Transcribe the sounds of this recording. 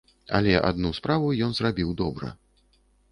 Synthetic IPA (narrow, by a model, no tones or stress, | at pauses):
a̰lʲɛʔa̰d̪nuspɾavujɔnzrabʲiwd̪ɔbɾɐ̰